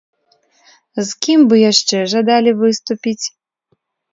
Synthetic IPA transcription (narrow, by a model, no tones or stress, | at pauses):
zkʲimbɨjaʂt͡ʂɛʐad̪alʲivɨst̪upʲit͡sʲ